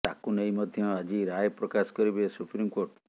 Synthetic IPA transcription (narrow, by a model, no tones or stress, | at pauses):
t̪akunejmɔd̪ʱjɔad͡ʒiɾajpɾɔkaskɔɾibesupɾimkoɾʈ